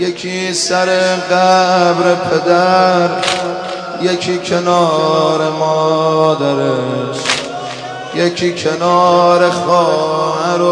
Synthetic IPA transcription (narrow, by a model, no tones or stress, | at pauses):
jekʰisæɾeɣæbɾepʰed̪æɾ | jekʰikʰenɒːɾemɔd̪æɾes | jekʰikʰenɒːɾexɔːɦæɾo